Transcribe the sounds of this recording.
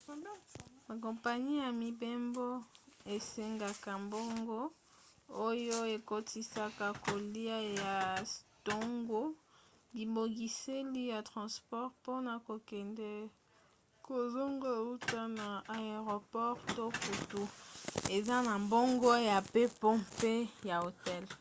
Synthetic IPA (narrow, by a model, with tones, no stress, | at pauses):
ma˨k̬ɔ̃˨mpa˨ɲi˦ja˨mi˨be˦mbo˦e˨se˦ŋɡa˨ka˨mbo˦ŋɡo˦ | o˦jo˦e˨ko˦ti˦sa˦ka˦ko˨li˦a˦ja˨to˦ŋɡo˦ | li˨bo˨ɡi˨se˦li˦ja˨tʁɑ̃˨spɔ˦ʁpo˦na˨ko˨kɛ˨ndɛ˦ | ko˨zo˦ŋɡo˦e˨u˦ta˦na˨a˨e˨ʁo˨pɔ˦ʁto˦ku˨tu˦e˨za˦na˨mbo˦ŋɡo˦ja˨pe˦pɔ˦pe˦ja˨o˨tɛ˦l